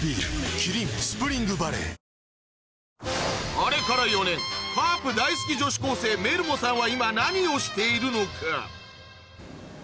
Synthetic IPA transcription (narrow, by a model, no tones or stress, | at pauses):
bikʰiɾimspɨɾiŋɡɯbaɾḛ | ɔɾekʰɐɾɐjonenpʰaːpd̪aːjskid͡ʒoʃkoːsemeɾmosãʋaimãnaːnioːʃt̪ʰeiɾunokʰa̰